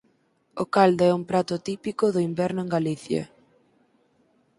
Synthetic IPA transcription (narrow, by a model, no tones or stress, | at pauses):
okald̪oɛuŋpɾat̪ʊt̪ipikʊðʊimbɛɾnʊeŋɡaliθjɐ̰